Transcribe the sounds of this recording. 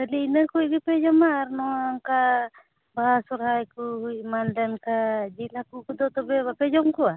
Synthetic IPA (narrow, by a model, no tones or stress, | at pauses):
bəliinəkujbipɛd͡ʒɔmaɾnɔaŋka | basɔɾajkuhujmanɖankad͡ʒilakukɔd̪ɔt̪ɔbɛbapɛd͡ʒɔmkɔa